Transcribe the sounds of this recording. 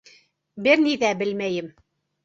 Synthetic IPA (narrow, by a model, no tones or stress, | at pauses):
bɘɾniðæbɘ̆lmæjɘm